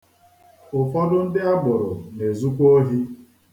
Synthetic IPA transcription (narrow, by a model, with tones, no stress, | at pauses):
ʊ˨fɔ˦dʊ˦n̩˦dɪ˦a˦ɡ͡bʊ˨ɾʊ˨ne˨zu˦kʷo˦ɦi˦